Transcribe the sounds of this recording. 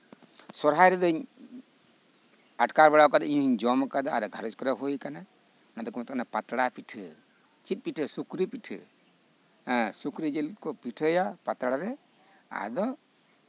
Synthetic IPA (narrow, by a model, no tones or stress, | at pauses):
sɔɾɦajɾɛd̪ɔiɲ | aʈkaɾbaɽakad̪ɔiɲɦiɲd͡ʒɔmɔkad̪ɔaɾɡʱaɾɔd͡ʒkɔɾɛɦujkana | nad̪ɔkmat̪kanapat̪ɽapiʈʰɯ | t͡ʃit̪̚piʈʰɨsukɾipiʈʰɨ̰ | sukɾid͡ʒelkɔpiʈʰɔjapat̪ɽaɾɛ | a̰d̪ɔ